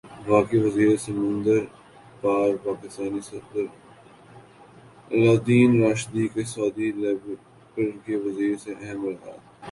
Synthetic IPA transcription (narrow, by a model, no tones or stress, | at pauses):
faːkiʋɐziːɾsɐmə̃nd̪əɾ | paːɾpaːkɪst̪aːnisɐfd̪əɾ | ɐlaːd̪iːnɾaːʃd̪ikesɔːd̪ilb | pəɾkeʋɐziːɾseʔɛɦə̃mɾɐɦa̰ːt̪ː